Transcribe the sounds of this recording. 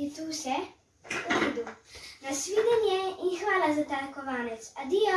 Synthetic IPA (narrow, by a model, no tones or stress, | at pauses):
ɛt̪uwsɛ | ɔbud̪unasʋiːd̪ɛnjɛinxʋaːlazat̪aːɾkɔʋaːnɛt̪sad̪ijɔ